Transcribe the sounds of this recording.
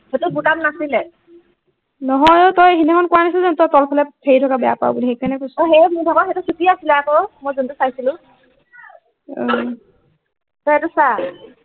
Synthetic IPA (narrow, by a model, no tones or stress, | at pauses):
hɔtubutamnasilɛ | nɔɦɔjotɔjeɦinɛkʰɔnkuanis̬ilzɛtɔtɔlpʰɛlɛpʰeitʰɔkabɛja̰pa̰ʊbulixejkanɛkosɔɦemudʱamaxetusutiasilɛakɔmojzuntusajsilʊ̃ | ɔ̃ | tɔjɛtusa